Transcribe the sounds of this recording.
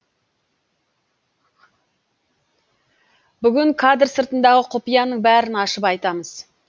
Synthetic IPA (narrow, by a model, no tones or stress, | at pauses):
bʏɡʲɪŋkʰad̪rsəɾt̪ənd̪ɑʁəqʰopijɑnəɴbæɾɪnɑʃəpɑjt̪ɑməz̥